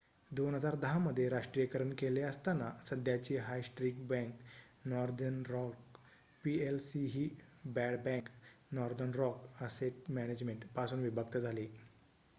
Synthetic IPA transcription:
d̪onɦəd͡zaɾd̪əɦaməd̪ʱːjeɾaʂʈɾijəkəɾəɳkeleəst̪anːasəd̪ʱjat͡ɕiːɦajsʈɾiːk̚bɛ̃ŋk | nɔɾd̪ənɾɔk | pielsiɦiːbæɽbɛ̃ŋknɔɾd̪ənɾɔkəseʈmæned͡ʑmeɳʈpasuːnʋibʱəkt̪əd͡zʱaliː

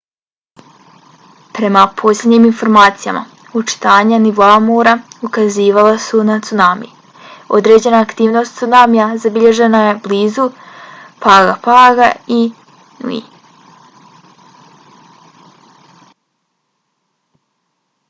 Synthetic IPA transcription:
pɾe̞mapʰo̞slʲed̪ɲiːminfo̞ɾmaːt̪sija̰ma̰ | ut͡ʃi̥t̪aːɲaniʋoamoːɾaukaziːʋalˠasunat̪sunaːmḭji | o̞̰d̪ɾe̞d͡ʑe̞naːkt̪iːʋno̞st̪sunaːmijazabiʎe̞ʒe̞naje̞bliːzu | paːɡapaːɡai | nṵḭ

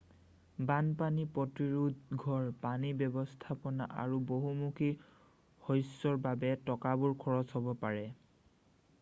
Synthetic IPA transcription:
banpanipɔtiɹudɡʱɔɹpanibɔbɔstʰapɔna̰ʔa̰ɹuboɦumukʰi | hojsːɔɹbabɛtɔkabuɹkʰɔɹɔzɦɔbɔpaɹɛ

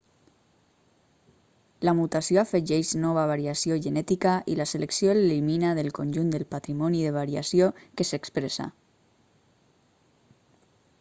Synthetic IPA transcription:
lamut̪asjoafeʒɛʃnɔβ̞aβ̞aɾiasioʒənɛt̪ikaʔḭlaseleksjoeleliminaðelˠkonʲʒund̪əlpat̪ɾimɔniðeβ̞aɾiasjokesekspɾesa̰

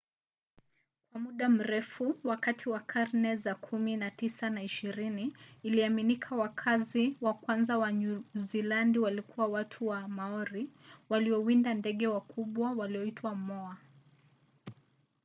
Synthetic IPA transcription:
kwamuɗam̩ɾɛfuwakatʰiwakʰaɾnɛzakʰuminatisanaiʃiɾiniːliaminikʰawakʰaziwakwanzawaɲuzilandiwalikuwawatʰuwamaɔɾiwaliɔwindandɛɠɛwakʰuɓwawaliɔitʰwamɔa

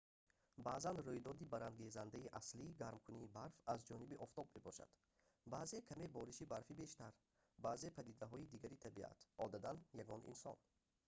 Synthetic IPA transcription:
baːzanrujd̪ɔd̪ibaɾanɡezand̪aiʔasliːɡaɾmkʰuniːbaɾfazd͡ʒɔnibiʔɔft̪ʰɔbme̞bɔʃa̰d̪̥ | baːze̞kʰamebɔɾiʃibaɾfibe̞ʃt̪aɾ | baze̞pʰæd̪id̪aɦɔid̪iɡaɾit̪ʰabia̰t̪ʔɔd̪ad̪anjaɡɔnʔḭnsɔ̰n

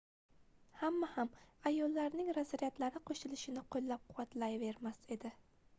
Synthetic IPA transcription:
hamːahamajɒlːaɾnɪŋɾazaɾijat̪laɾɪqʰoʃɪlɪʃɪnɪqʰollap̚qʰʊwat̪lajve̞ɾmase̞d̪ɪ

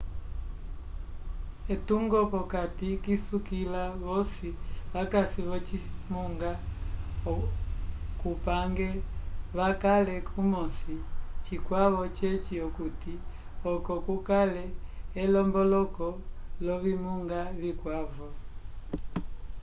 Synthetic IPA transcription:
ɛtuŋɡɔkɔkatikisukilaβɔsiβakasiβɔt͡ʃimuŋɡa | kupaŋɡɛβakalɛkʰumɔsit͡ʃikwaβɔt͡ʃɛt͡ʃiɔkuti | ɔkɔkukalɛɛlɔmbɔlɔkɔlɔβimuŋɡaβikwavɔ

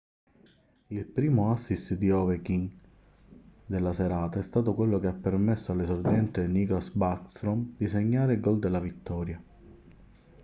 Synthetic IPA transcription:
ilpɾiːmoasːist̪d̪iɔvekiŋ | d̪elːaseɾaːt̪aɛst̪aːt̪okwelːokeapːermesːoalːesord̪iɛnt̪eniklasbakst̪ɾomd̪iseɲːaːɾelɡɔld̪elːavit̪ːɔːɾja

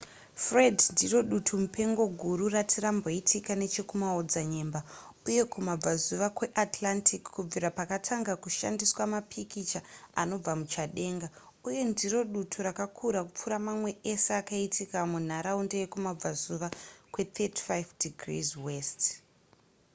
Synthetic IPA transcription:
fre̞dndiro̞ɗutʰumupe̞ŋɡo̞ɡʱuɾuratiɾambo̞itʰikane̞t͡ʃe̞kumaod͡zaɲe̞mba | uje̞kumab͡vazuʋakwe̞ʔatʰlantʰikkːub͡viɾapakatʰaŋɡakuʃa̰ndiswamapʰikit͡ʃaano̞b͡vamut͡ʃaɗe̞ːŋɡa | uje̞ndiro̞ɗutʰuɾakakʰuɾakup͡fuɾamamwe̞ʔeseakaitikamun̤aɾaundeje̞kumab͡vazuʋakwe̞t̪ʰeti̥fajfdiɡrḭzwe̞st

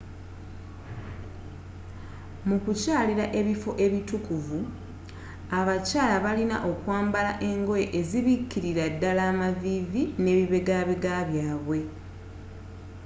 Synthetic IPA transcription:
mukucaːliɾaʔe̞βifo̞ʔe̞βitukuvu | aβacaːlaβalina̰ʔo̞kwaːmbalaʔe̞ŋɡo̞je̞ʔeziβikːiɾiɾadːalaːmaviːvine̞ːβiβe̞ɡaβeɡaβjaːβwe̞

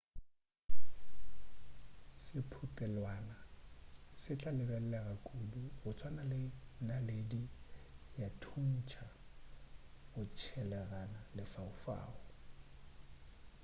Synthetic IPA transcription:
sɪpʰutʼɛlwaːna | sɪt͡ɬʼalɪbɛl̩lɛɣakʼuluɣʊt͡sʰʼwanalenaledijatʰun̩t͡ʃʰa | ɣʊt͡ʃʰɛlɛɣanalɪfaʊfa̰ːʊ

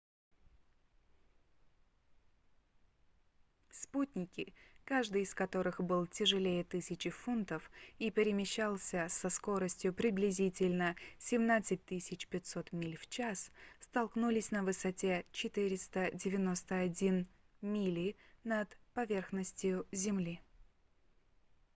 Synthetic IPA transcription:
sputʲnʲɪkʲɪkaʐd̪ɨjɪskɐt̪o̞ɾɨxbɨlˠtʲɪʐɨlʲejət̪ɨsʲɪt͡ɕɪfunt̪əfipʲɪɾʲɪmʲɪɕːalˠsʲəsɐsko̞ɾəsʲtʲjʊpɾʲɪblʲɪzʲitʲɪlʲnəsʲɪmnat̪sɨt̚ʲt̪ːɨsʲɪt͡ɕpʲɪtʲsot̪mʲilʲft͡ɕasst̪ɐlˠknulʲɪsʲnəvɨsɐtʲe̞t͡ɕɪt̪ɨɾʲɪst̪ədʲɪvʲɪno̞st̪əɐdʲin | mʲilʲinət̪pɐvʲe̞rxnəsʲtʲjʊzʲɪmlʲi

